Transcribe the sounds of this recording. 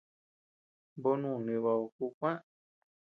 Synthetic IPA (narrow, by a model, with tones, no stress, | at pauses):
bo˦nũ˦˨nĩ˧˨βa˧o˧ku˧kʷã˦